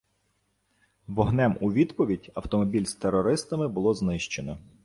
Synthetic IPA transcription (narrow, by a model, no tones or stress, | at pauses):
ʋɔɦnɛmuʋʲid̪pɔʋʲidʲɐwt̪ɔmɔbʲilʲst̪eɾɔɾɪst̪ɐmɪbʊlˠɔznɪʃt͡ʃenɔ